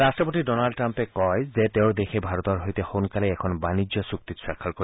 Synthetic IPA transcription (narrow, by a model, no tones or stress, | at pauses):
astɔpotidɔnalɖʈːɹampɛkɔjzet̪eʊɹd̪exʰebʱaɹɔt̪ɔɹɦojt̪ɛxonkalɛɛkʰɔnbanid͡ʒjɔsuk̚t̪itswakʰːaɹkoi